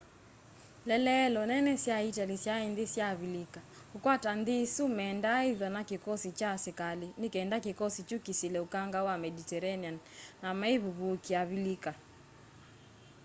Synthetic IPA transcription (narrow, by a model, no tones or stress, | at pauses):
lɛlɛlɔnɛnɛsjaitalisjaindisjaβilika | hukwatandisumɛːndaiðɔnakikɔsit͡ʃasikalinikɛːndakikɔsit͡ʃukisilɛukaŋɡawamɛditɛɾanianː | amaiβuβukiaβilika